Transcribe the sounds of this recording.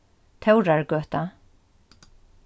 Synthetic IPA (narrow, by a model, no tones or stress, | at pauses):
t̪ʰɛwɾaɹɡœːht̪a